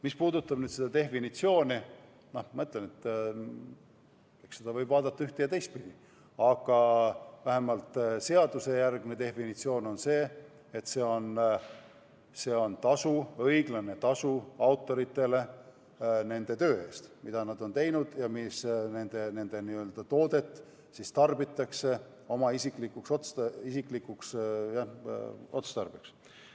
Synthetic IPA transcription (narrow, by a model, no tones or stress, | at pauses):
mispuːd̪ut̪ːˑɑb̥nyːd̪̥sed̪ɑt̪e̞fːinit̪sio̞ːni | nomɑɤt̪ːˑlenet̪ː | eksed̪̥ɑvɤjbvɑːd̪ɑt̪ːɑyht̪ejɑt̪e̞jst̪̚pid̪̥i | ɑɡ̥ɑvæɦe̞mɑlt̪ˑse̞ɑd̪̥use̞jærɡ̥mnet̪e̞ffinit̪sio̞ːno̞nse̞ː | et̪se̞ːo̞n | se̞ːo̞nt̪ɑsuɤjɡ̥lɑne̞t̪ɑsuɑwt̪ːˑo̞ɾit̪ːˑe̞le̞ | ne̞nd̪̥e̞t̪ø̞ːe̞ːst̪mid̪̥ɑnɑd̪̥o̞nt̪e̞jnud̪̥jɑmisne̞nd̪̥e̞ne̞nd̪̥e̞niøld̪̥ɑt̪o̞ːd̪̥e̞t̪ːˑ | sist̪ɑrbit̪ːˑɑkse̞ | o̞mɑisiklikːukso̞t̪st̪isikˑlikːˑuksjɑo̞t̪st̪ɑrb̥iks